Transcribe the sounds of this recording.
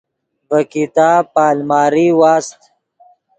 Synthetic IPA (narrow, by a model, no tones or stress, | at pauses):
bəkit̪aːpaːlmaːɾiwaːst̪